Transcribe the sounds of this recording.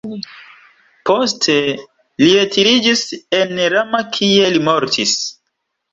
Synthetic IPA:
postʰe | lietiɾid͡ʒise̞nɾamakʰie̞limo̞ɾtʰis

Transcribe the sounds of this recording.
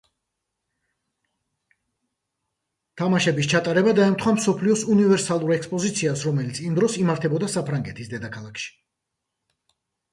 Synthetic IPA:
t̪ʰamaʃɛbist͡ʃʰat̪ʼaɾɛbad̪aɛmt̪ʰχwamsɔpʰliɔsunivɛɾsalˠuɾɛkspʼɔzit̪sʰiasɾɔmɛlit̪sʰimd̪ɾɔsimaɾt̪ʰɛbɔd̪asapʰɾaŋɡɛt̪ʰisd̪ɛd̪akʰalˠakʃi̥

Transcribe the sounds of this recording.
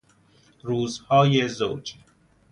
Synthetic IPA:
ɾuːzhɒːjezoːd͡ʒ

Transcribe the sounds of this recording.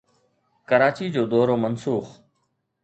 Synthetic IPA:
kəɾaːt͡ɕiːd͡ʑoːd̪ɔːɾoːmənsuːx

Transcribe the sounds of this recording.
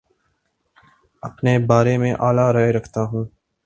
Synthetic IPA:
ɐpneːbaːɾemẽʔaːlaɾaeɾɐkʰt̪aɦũː

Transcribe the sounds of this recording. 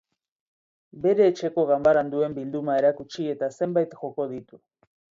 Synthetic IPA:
be̞ɾe̞ːt͡ʃe̞ko̞ɣambaɾand̪ue̞mbild̪umae̞ɾakut͡ʃie̞t̪ase̞mbajt̪xo̞ko̞ð̞it̪u

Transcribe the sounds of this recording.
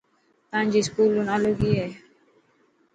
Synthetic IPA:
t̪ãːɲd͡ʒiːskuːluːnaːluːɡiːɦɛː

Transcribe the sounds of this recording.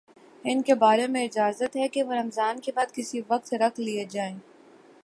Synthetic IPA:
ɪnkebaːɾemẽɪd͡ʒaːzət̪ɦɛkeʋoɾɐmzaːnkebaːd̪̚kɪsiʋɐq̚t̪ɾɐkʰlied͡ʒaːeː

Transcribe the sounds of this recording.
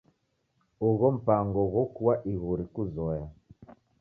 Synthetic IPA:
uɣɔm̩paŋɡɔɣɔkuwaʔiɣuɾikuzɔja

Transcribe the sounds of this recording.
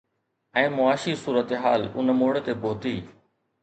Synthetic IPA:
ɛ̃ːmʊaːʃisuːɾət̪ɦaːlʊ̰nəmoːɽt̪ebʱoːt̪iː

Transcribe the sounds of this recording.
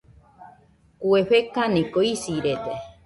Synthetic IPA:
kueɸekanĩkoisiɾed̪e

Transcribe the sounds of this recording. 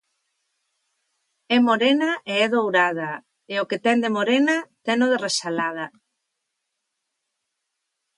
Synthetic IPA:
ɛmoɾenaʔeɛðowɾað̞a | eʊket̪ɛnd̪emoɾenat̪ɛnoðeresalað̞a

